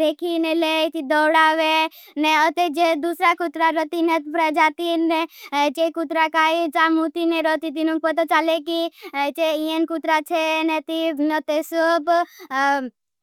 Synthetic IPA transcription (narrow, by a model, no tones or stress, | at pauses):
ɾekʰinelet̪id̪ɔwɽaʋe | neət̪ed͡ʒed̪usɾakut̪ɾaɾɔt̪inet̪pɾəd͡ʒat̪inet͡ʃekut̪ɾakait͡ʃamut̪ineɾɔt̪it̪̬inũk̚pɔt̪ot͡ʃalekit͡ʃeienkut̪ɾat͡ʃʰenet̪iət̪esob